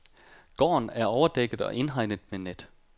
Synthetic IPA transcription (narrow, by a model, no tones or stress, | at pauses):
ɡ̥ɒ̰ːnæɐɒʊɐd̥eɡ̥ð̩ˠɒ̽ʔe̝nɦɑ̈ɪnəðˠmened̥